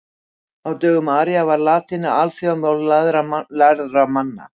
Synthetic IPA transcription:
awt̪œːɣʏmaːɾiavaɾlaːt̪inaalθiamaaðɾalaɾðɾamanːa̰

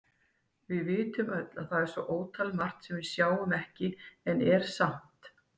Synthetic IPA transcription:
vɪðvɪːt̪ʏmœt̪la̰ðθaðɛɾsvɔʔoːwt̪ʰalmar̥t̪sɛmvɪɾ̥sjaːwʏmɛhcɪɛnɛɾ̥san̥t̪

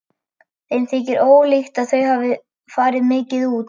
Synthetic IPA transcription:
θejnθɪːc̬ɪɾʔoːwlixt̪aðθœɥhaːvɪ | faːɾɪðmɪːcɪðuːt̪

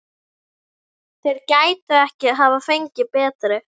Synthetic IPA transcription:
θejɾcaːjt̪ʏɛhcɪaɦaːvafejɲcɪpɛːt̪ɾɪ

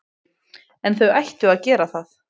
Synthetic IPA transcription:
ɛnθœɥwajht̪ʏaðcɛːɾaθaθ

